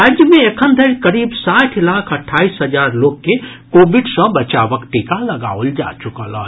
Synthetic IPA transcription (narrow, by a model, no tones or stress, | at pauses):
ɾad͡ʒjəmeekʰənd̪ʱəɾkəɾiːbsaʈʰlakʰəʈʰːaisɦəd͡ʒaːɾloɡ̚ke | kobiɖsə̃bət͡ʃaʋəkʈikaləɡa̰old͡ʒa̰t͡ʃukələ̰